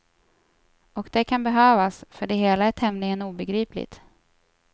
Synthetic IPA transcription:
ɔkd̪̥ɛkʰanbɛɦøːvasfœɖɛɦeːlaæʈʰɛmnɪŋənuːbɛɡɾiːplɪ̰t̪

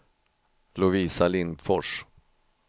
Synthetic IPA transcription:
lʊviːsalɪnd̪fɔʂ

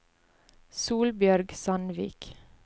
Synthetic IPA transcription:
suːlbjœɾɡsɑnʋḭːk

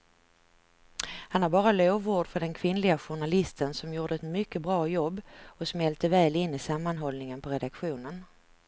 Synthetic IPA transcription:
hanaɾbɑːɾaloːvuːɖfœɖɛnkʰvɪnlɪɡaɧʊɳalɪst̪ʰənsɔmjuːɖəɛt̪mʏkːəbɾɑːjɔbːɔsɔmɛlt̪əvɛːlɪnːɪsamːanɦɔlnɪŋənpʰɔɾɛd̪akɧuːnən

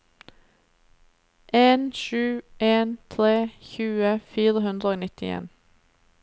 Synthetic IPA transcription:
ʔeːnʃʉːʔeːnt̪ʰɾeːçʉːəfiːɾəhʉnd̪ʁəoːnɪt̪ɪḛːn

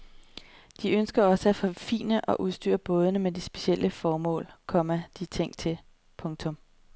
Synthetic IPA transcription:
d̥iønsɡ̥ɐɒ̽səæfo̽fḭːnəʔɒ̽ʔuðˠsd̥y̰ːɐb̥ɔ̽ːð̞ˠənəmed̥isb̥e̝ɕiel̰ʔəfɒːmɔ̰̽ːlkʰɒ̽mæd̥it͡sʰeŋ̰̥̚t͡sʰe̝l | pʰɔ̽ŋt͡sʰɔ̽m

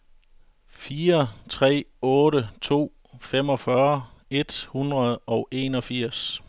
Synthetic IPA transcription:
fiːɐt͡sʰʁɛ̰ːɔ̽ːɾət͡sʰo̝̰ː | fem̰ɒ̽fɶɐe̝d̥hunʁɐðˠɒ̽ʊe̝nɒ̽fiɐ̰s

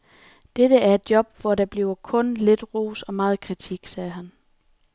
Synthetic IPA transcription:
d̥eɾ̥əæɐe̝d̥̚jɒ̽b̥̚ʋɒɾɑ̈b̥liʊɐkʰɔ̽nle̝d̥ʁo̝̰ːsɒ̽mɑ̈ːð̞̩ˠkʰʁit͡sʰiɡ̥sɛːɦæn

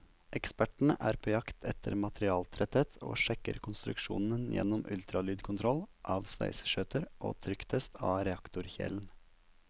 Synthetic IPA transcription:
ʔɛkspæʈɳ̩əʔæːɾpʰoːjɑkt̪ʰɛt̪ʰəɾmɑt̪ɾɪɑːlt̪ʰɾɛt̪ət̪ʰo̰ːʃɛkə̰ɾkʰʊnst̪ɾʉ̰kʃṵːnənjɛ̰nɔmʔʉlt̪ʰɾɑlyːd̪kʰʊnt̪ʰɾɔlʔɑːʋspæ̰ɪsə̥ʃøːt̪əɾʔo̰ːt̪ʰɾʏkt̪ʰəst̪ʰɑːɾɛɑkt̪ʊɾçɛ̰ln̩

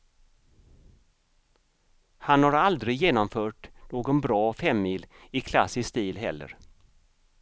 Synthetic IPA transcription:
hanhaɾald̪ɾɪjeːnɔmfœːʈnoːɡɔnbɾɑːfɛmːiːlɪkʰla̰sɪst̪iːlɦɛ̰lːə̰ɾ

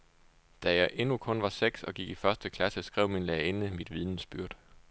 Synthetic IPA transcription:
d̥æjɑ̈ɪʔe̝nukʰɔ̽nʋɑ̈seɡ̥sɒ̽ɡ̥iɡ̥ifɶɐsd̥əkʰlæsəsɡ̥ʁɛʊ̰minleɐenəmid̥ʋið̞ˠnsb̥yɐ̰d̥

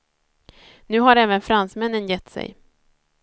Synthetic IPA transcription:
nʉ̟ːɦaɾɛːvənfɾansmɛnːənjɛt̪ːsɛ̰j

